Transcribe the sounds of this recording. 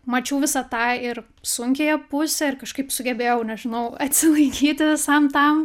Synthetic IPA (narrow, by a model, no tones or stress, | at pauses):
mɐt͡ʃʲɛʊʋʲɪsɐt̪ɑːɪr | sʊŋʲkʲeːjɛpʊsʲɛɪrkɐʃkɐɪpsʊɡʲɛbʲeːjɛʊnʲɛʒʲɪnɐʊɐt̪ʲsʲɪlˠɐɪkʲiːt̪ʲɪʋʲɪsɐmt̪ɐm